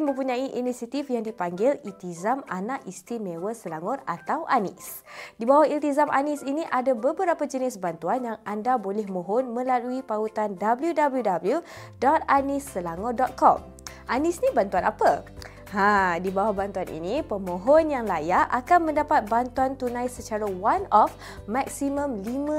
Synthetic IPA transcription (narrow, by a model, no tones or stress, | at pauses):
mə̃mpuɲãiʔinisiat̪ifjaŋdipaŋɡɪlilt̪izamanaʔist̪ɾimewəsəlaŋɔra̰t̪awʔanɪ̰s | dibawahilt̪izamʔa̰nisiniʔadabəbəɾapad͡ʒənɪsbant̪uanjaŋʔandabolɛhmõɦɔnmə̃laluipaut̪andabəljudabəljudabəlju | dɔt̪̚anisːəlaŋɔrdɔt̪̚kɔ̰m | ʔanisnibant̪uanapə | hãdibawahbant̪uanḭnĩpəmõɦɔnjaŋlajaʔakanmə̃ndapat̪̚bant̪uant̪unãjsət͡ʃaɾawanɔf | maksimə̃mlimã